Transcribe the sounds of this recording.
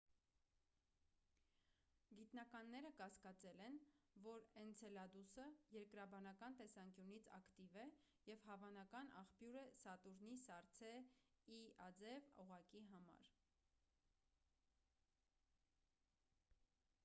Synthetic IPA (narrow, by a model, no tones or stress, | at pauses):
ɡit̪nɑkɑnːɛɾəkɑskɑt͡sɛlɛnvɔɾɛnt͡sʰɛlɑd̪usəjɛɾkɾɑbɑnɑkɑnt̪ɛsɑŋkjunit͡sʰɑ̰kt̪ivɛ | jɛvhɑvɑnɑkɑnɑ̰χpjuɾəsɑt̪uɾnisɑɾt͡sʰɛiɑd͡zɛvɔʁɑkiɦɑmɑ̰ɾ